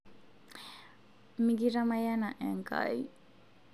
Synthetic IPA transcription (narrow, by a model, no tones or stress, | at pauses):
miɡiɾamajanaʔɛŋɡa̰j